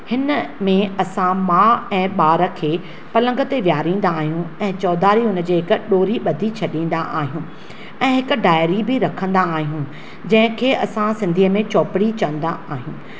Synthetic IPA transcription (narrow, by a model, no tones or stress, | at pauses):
hɪnəmẽɐsãmãːɛ̃ːɓaːɾə̆kʰeː | pɐlə̃ŋɡə̆t̪eʋjaːɾĩːn̆d̪aːɦijũɛ̃ːt͡ɕɔːd̪aːɾiɦʊnə̆d͡ʑeːɦɪkʊ̆ɗoːɾiɓɐd̪ʱit͡ɕʰɐɗĩːn̆d̪aʔaːɦijũː | ɛ̃ːɦɪkʊ̆ɖaːɪɾibɪɾɐkʰə̃n̆d̪aːɦijũ | d͡ʑɐ̃ɦɪ̃kʰeːʔɐsãsɪ̃nd̪ʱiːəmẽt͡ɕɔːpɪɽit͡ɕɐʋə̃n̆d̪aaːɦijũː